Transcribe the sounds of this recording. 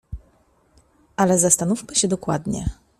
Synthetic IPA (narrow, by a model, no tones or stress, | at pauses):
alɛzast̪anufmɘɕɛd̪ɔkwa̰d̪ɲɛ̰